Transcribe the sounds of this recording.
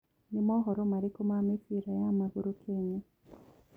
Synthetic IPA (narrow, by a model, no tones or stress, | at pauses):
nimoɦoɾomaɾikumamifiɾajamaɡuɾukʰeɲe